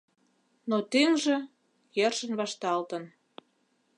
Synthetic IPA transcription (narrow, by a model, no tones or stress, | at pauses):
not̪eŋʒĕ | jerʃə̆nβɑʃt̪ɑlt̪ə̆n